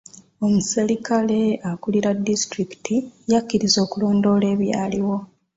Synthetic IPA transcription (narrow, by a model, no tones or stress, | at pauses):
o̞muselikale̞akuliɾadːistɾiki̥tijakːiɾizo̞ːkulo̞ːndo̞ːle̞ːβja̰ːliwo̞